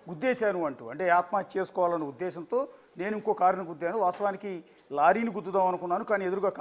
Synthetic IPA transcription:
ud̪ːeːʃaːnuɐɳʈṵɐɳʈe̞ːaːt̪maːt͡ʃeːsu̥kɔːʋaːlɐnːɐud̪ːɛːʃɐnt̪o̞ː | neːnuiŋkoːkaːɾɐnɐɡud̪ːjaːnuʋaːst̪ɐʋaːniki | laːɾiːniɡud̪ːud̪aːmɐnukunːaːnukaːniːe̞d̪uɾuɡaːkː

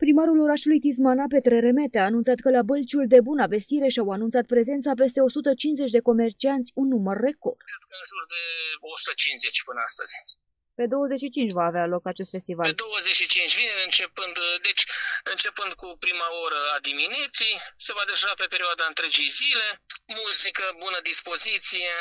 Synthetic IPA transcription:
pɾimaɾulo̞ɾaʃulujt̪is̬manap̬e̞t̪ɾeɾe̞me̞t̪eaːnunt̪sat̪kəlabəlt͡ʃuld̪e̞bunave̞st̪iɾe̞ʃiawanunt̪sat̪̚pɾe̞ze̞nt̪sap̬e̞s̬t̪e̞o̞sut̪ət͡ʃinze̞t͡ʃʲd̪e̞ko̞me̞rt͡ʃiant̪sʲunːumərːe̞ko̞̰rd̪kɾed̪̚kəɨnsuɾd̪e̞osu̥t̪ət͡ʃinze̞t͡ʃʲpɨnəa̰st̪ə̰z̥ʲ | pe̞d̪o̞wəze̞tʃit͡ʃint͡ʃʲvaːvealo̞kat͡ʃe̞st̪fe̞st̪ivald̪o̞wəzeʃit͡ʃint͡ʃʲvineɨnt͡ʃe̞pɨnd̪d̪e̞t͡ʃʲɨnt͡ʃe̞pɨnd̪kupɾimaoɾəad̪iminet̪sijse̞vad̪eʒape̞peɾiad̪aɨnt̪ɾe̞d͡ʒejzile̞muzikəbunəd̪ispo̞zit̪sije

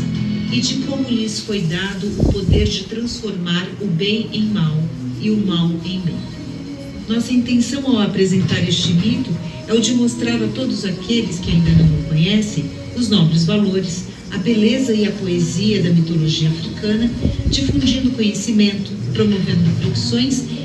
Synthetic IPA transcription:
ɪd͡ʒɪkõmʊlɪsfojd̪ad̪ʊʔːpod̪eɾd͡ʒɪt̪ɾɐ̃sfoɾmaɾʊbẽj̃ẽj̃mawɪʊmawẽj̃mḛ̃j̃ | nɔsɐĩnt̪ẽsɐ̃w̃awapɾezẽnt̪aɾest͡ʃɪmit̪ʊ | ɛʊd͡ʒɪmost̪ɾaɾɐt̪od̪ʊzakʰelɪskɪaĩnd̪ɐnɐ̃w̃mɪkõɲɛsẽj̃ | ʊznɔbɾɪzvaloɾɪs | ɐbelezɐɪɐpoeziɐd̪ɐmit̪oloʒiɐafɾikɐ̃nɐd͡ʒifũd͡ʒĩnd̪ʊkõɲesimẽnt̪ʊpɾomovẽnd̪ʊpɾofi̥sõj̃s

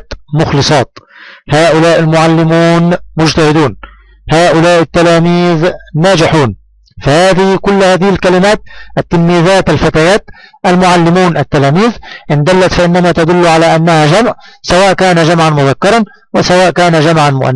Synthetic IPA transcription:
t̪mʊxlɨsˤɑːt̪haːʔʊlaːʔɪlmʊʕalːɪmuːnmʊd͡ʒt̪ahɪd̪uːn | haːʔʊlaːʔɪt̪ːalaːmiːðːaːd͡ʒɪħuːn | fahaːðɪhkʊlːhaːðɪhɪlkalɪmaːt̪̚ʔɪt̪ːanmiːðaːt̪ɪlfat̪ajaːt̪ʔalmʊʕalːɪmuːnʔat̪ːalaːmiːðʔɪnd̪alːat̪faʔɪnːamat̪ad̪ʊlːʕalaːʔanːahad͡ʒamʕsawaːʔkaːnaʒamʕanmʊðakːɑɾˤɑn | wɪsawaːʔkaːnad͡ʒamʕanmʊ̰ʔa̰nː

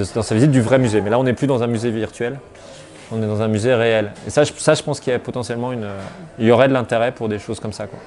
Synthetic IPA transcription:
d̪ɑ̃savizit̪̚d̪yvʁɛmyzemɛlaɔ̃nɛplyd̪ɑ̃zɛ̃myzeviʁt̪ɥɛl | ɔ̃nɛd̪ɑ̃zɛ̃myzeʁeɛlḛsaʒsaʒəpɑ̃skʲiɛpɔt̪ɑ̃sjɛlmɑ̃ynøiljɔʁɛd̪əlɛ̃t̪eʁɛpuʁd̪eʃozkɔmsakwa̰

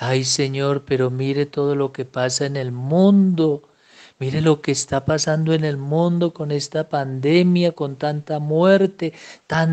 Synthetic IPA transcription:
ajse̞ɲo̞ɾpe̞ɾo̞miɾe̞t̪o̞ð̞o̞lo̞ke̞pasaene̞lmũnd̪o̞ | miɾe̞lo̞ke̞ːst̪apasand̪o̞ene̞lmũnd̪o̞ko̞ne̞st̪apand̪e̞mjako̞nt̪ant̪amwe̞ɾt̪e̞t̪an

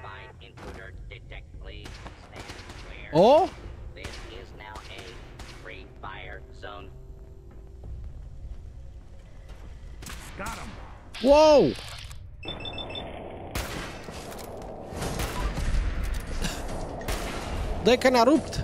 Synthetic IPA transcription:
baɪ | ɪ̃nkʰl̥uɾə˞dɨtʰɛk̚tˡlistæ̃nwɛɔðɪsɪznaʊɨfɹifaɪə˞ | zõʊ̃n | ɡ̥ɑɾə̃m | wow | ðekɛnɑɾup̚t̪

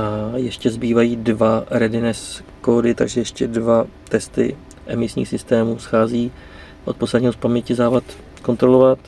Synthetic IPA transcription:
ajɛʃcɛzbiːvajiːdvaɾɛdɪnɛskoːdɪt̪a̰ɡʒɛjɛʃcɛdvat̪ɛst̪ɪ̰ | ʔɛmɪsɲḭːxsɪst̪ɛːmuːsxaːziː | ʔo̞t̪̚poslɛdɲiːɦospamɲɛcɪzaːvat̪ | ko̞nt̪ɾo̞lovat̪

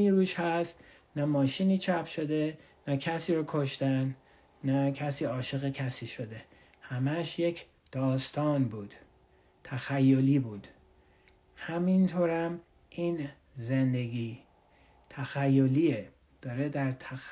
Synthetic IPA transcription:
iːɾuːʃhæst̪ | næmɒːʃiniːt͡ʃʰæpʰʃo̞d̪e | næcʰæsiːɾɒːkʰo̞ʃt̪ænː | æcʰæsiːɒːʃeɣecʰæsiːʃo̞d̪e̞ | hæmæʃjecʰ | d̪̥ɒːst̪ɒːnbuːd̪̥ | t̪ʰæxæjːo̞liːbuːd̪̥ | hæmint̪ʰoːɾæm | ʔiːn | zend̪e̞ɡiː | t̪ʰæxæjːo̞liːe | d̪̥ɒːɾed̪æɾt̪ʰæ

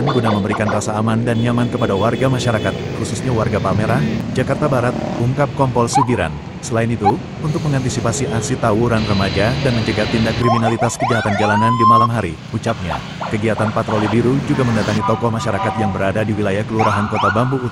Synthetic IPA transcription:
nɡunaməmbəɾikanrasaːmandanjamankəpadawarɡamaʃaɾakat̪̚kususɲawarɡapalmeɾad͡ʒakart̪abaɾat̪̚uŋkap̚kɔmpɔlsuɡiɾa̰n | səlaɪnit̪u | unt̪ʊk̚məŋant̪isipasiʔasit̪awuɾanrəmad͡ʒadanməɲt͡ʃəɡat̪indakːɾiminalit̪askəd͡ʒaɦat̪and͡ʒalanandimalamɦaɾḭ | ut͡ʃap̚ɲa̰ | kəɡiat̪anpat̪ɾolibiɾud͡ʒuɡaməndat̪aŋit̪ɔkɔhmaʃaɾakat̪̚jaŋbəɾadadiwilajahkəluɾaɦankot̪abambuː

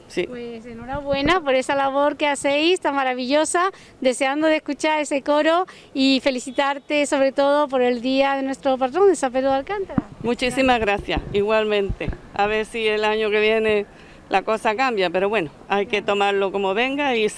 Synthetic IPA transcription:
sipwesenoɾaβwe̞napo̞ɾe̞salaβ̞o̞ɾkease̞jst̪amaɾaβ̞iʎo̞sa | d̪e̞seand̪oðeskut͡ʃaɾe̞seko̞ɾo | ife̞liθit̪aɾt̪e̞so̞βɾe̞t̪o̞ðo̞po̞ɾe̞ld̪iaðe̞nwe̞st̪ɾop̬at̪ɾond̪esap̬eɾoðalkant̪aɾamut͡ʃisimaɣɾaθja̰siɣwalmẽ̞nt̪ḛ | a̰β̞eɾsielaɲoke̞βje̞ne̞ | lʔako̞sakambjape̞ɾo̞βwe̞noajke̞t̪o̞maɾlo̞ko̞moβẽ̞ŋɡai

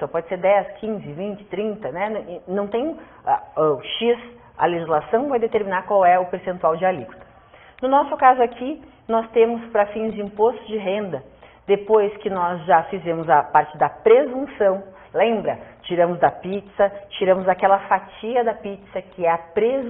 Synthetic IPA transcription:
sɐ̃pɔd͡ʒɪseɾd̪ɛskʰĩzɪvĩnt͡ʃɪ̥t̪ɾĩnt̪ɐnɛ̃nɐ̃w̃t̪ẽj̃ | ɛʃis | ɐ̰leʒizlasɐ̃w̃vajd̪et̪eɾminaɾkwawɛʊpeɾsẽnt̪uawd͡ʒɪaliku̥t̪ɐ̥ | nʊnɔsʊkazʊakʰi | nɔst̪ẽmʊspɾɐfĩzd͡ʒɪĩpost̪ʊd͡ʒɪɦẽnd̪ɐ | d̪epojskɪnɔzʒafizẽmʊzɐpaɾt͡ʃɪd̪ɐpɾezũsɐ̃w̃ | lẽmbɾɐt͡ʃiɾɐ̃mʊzd̪ɐpit͡ʃsɐt͡ʃiɾɐ̃mʊzakɛlɐfat͡ʃiɐd̪ɐpit͡ʃsɐkɪɛɐpɾez

